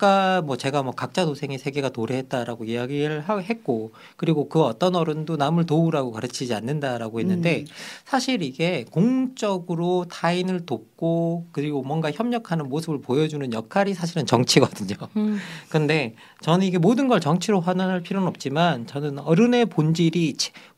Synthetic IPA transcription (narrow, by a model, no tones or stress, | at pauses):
k͈amwʌt͡ɕe̞ɡamwʌkak̚t͡ɕ͈adosʰe̞ŋesʰe̞ɡe̞ɡatoɾeɦe̞t̚t͈aɾaɡoiaɡiɯɭɦaɦet̚k͈o | kɯɾiɡokɯʌt͈ʌnʌɾɯndonamɯɭtouɾaɡokaɾɯt͡ɕʰid͡ʑianːɯndaɾaɡohe̞nːɯnde̞sʰaɕʰiɾiɡe̞koŋt͡ɕ͈ʌɡɯɾotʰainɯɭtop̚k͈okɯɾiɡomwʌnɡaçjʌmɲʌkʰanɯnmosʰɯbɯɭpojʌd͡ʑunɯnjʌkʰaɾisʰaɕ̬ʰiɾɯnt͡ɕʌŋt͡ɕʰiɡʌdɯɲokɯnde̞ | t͡ɕʌnɯniɡe̞modɯnɡʌɭt͡ɕʌŋt͡ɕʰiɾoɸwananɦaɭpʰiɾjonɯnʌp̚t͡ɕ͈imant͡ɕʌnɯnʌɾɯne̞pond͡ʑiɾit͡ɕʰ